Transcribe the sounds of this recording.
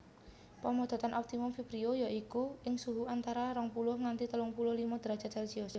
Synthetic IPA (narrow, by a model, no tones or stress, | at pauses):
pəmɔd̪̥a̤t̪anʔɔp̚t̪imʊmfipɾiojɔʔikuɪŋsuɦuant̪aɾaɾɔŋpulʊhŋant̪it̪əlɔŋpulʊhlimɔd̪̥əɾḁt͡ʃa̤t͡ʃalisios